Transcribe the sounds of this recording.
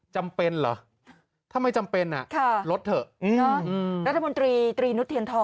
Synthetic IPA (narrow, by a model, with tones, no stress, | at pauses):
t͡ɕa˧mpe˧nlɔ̰˩˦ | t̪ʰa˧mːa˧jt͡ɕa˧mpe˧nʔa̰˨˩ʔkʰa˥˩ɾo˦˥t̪̚ːʰɤ˨˩ɯ˧nɔ˧˦˥ʔːɾa˦˥t̪ʰːa˧mo˧nt̪ɾiː˧t̪ɾiː˧nu˦˥t̪ʰːi˧ənt̪ʰɔː˧